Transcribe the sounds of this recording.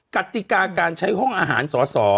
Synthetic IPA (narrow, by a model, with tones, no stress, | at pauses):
ka˨˩t̪i˨˩kaː˧kaː˧nt͡ɕʰa˦˥jɦɔ˥˩ŋʔaː˧ɦaː˩˦nsɔː˩˦sɔː˩˦